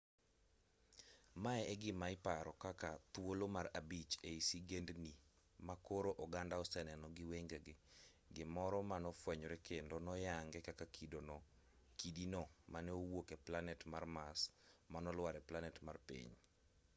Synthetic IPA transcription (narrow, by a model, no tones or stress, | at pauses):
maɛɛɡɪmaɪpaɾɔkakat̪wolomarabit͡ʃeisiɡendni | makoɾoʔɔɡandaɔsɛnɛnɔɡɪweŋɡeɡɪ | ɡɪmɔɾɔmanɔfwɛɲɔɾɛkendonɔjaŋɡɛkakakʰidonɔ | kidinɔmanɛowokɛplanɛtmarmasmanɔlwaɾɛplanɛtmarpḭɲ